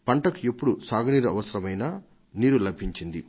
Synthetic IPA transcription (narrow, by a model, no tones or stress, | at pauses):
pɐɳʈɐkuepːuɽusaːɡɐniːɾuɐ̰ʋɐsɐɾɐmɐjnaː | niːɾulɐbʱiɲt͡ʃind̪i